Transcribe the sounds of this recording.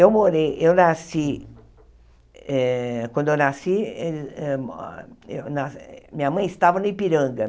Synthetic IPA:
ewmoɾejewnasi | ɛkʷwʷɐ̃nd̪ʊewnasieɛ | ewnasmĩɲɐmɐ̃j̃ɪst̪avɐnʊipiɾɐ̃ɡɐ

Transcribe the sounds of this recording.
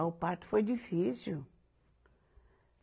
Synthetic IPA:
ʊpaɾt̪ʊ̥fojd͡ʒifisiw

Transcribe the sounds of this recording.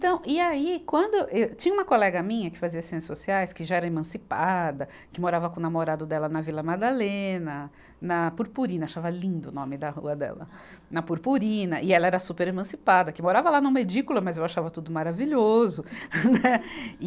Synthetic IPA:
t̪ɐ̃w̃ɪaikwɐ̃nd̪ʊʔewt͡ʃĩɲɐũmɐkolɛɡɐmĩɲɐkɪ̥faziɐsẽtɪsosiajskɪʒaɛɾɐemɐ̃sipad̪ɐ | kɪmoɾavɐkõnamoɾad̪ʊd̪ɛlɐnɐvilɐmad̪alẽnɐ | nɐpuɾpuɾĩnɐaʃavɐlĩnd̪ʊnõ̰mɪd̪ɐhṵɐd̪ɛ̰lɐ̰ | nɐpuɾpuɾĩnɐʔɪɛlɐɛɾɐsupeɾemɐ̃sipad̪ɐkɪmoɾavɐlanɐ̃med͡ʒikulɐmɐzewaʃavɐt̪ud̪ʊmaɾaviʎozʊnɛ

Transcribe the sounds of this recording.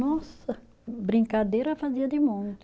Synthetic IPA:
ɔsɐ | bɾĩŋkad̪eɾɐfaziɐd̪ɪmõɲʊ

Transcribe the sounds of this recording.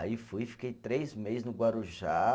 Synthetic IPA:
a̰ifujfi̥kejt̪ɾejzmejznʊɡwaɾuʒa

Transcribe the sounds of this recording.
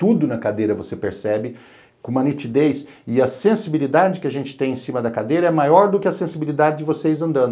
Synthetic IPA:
t̪ud̪ʊnɐkad̪ejɾɐvosepeɾsɛbɪ | kõũmɐnit͡ʃ̪id̪ejs | ɪɐsẽsibilid̪ad͡ʒɪkɪaʒẽnt͡ʃɪ̥t̪ẽj̃ẽsĩmɐd̪ɐkad̪ejɾɐɛmajɔɾd̪ʊkɪɐsẽsibilid̪ad͡ʒɪd͡ʒɪvosejzɐ̃nd̪ɐ̃nd̪ʊʊ

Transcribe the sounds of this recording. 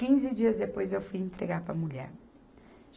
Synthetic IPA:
kĩzɪd͡ʒiɐzd̪epojzewfujẽnt̪ɾeɡaɾpɾɐmuʎɛ̰ɾ

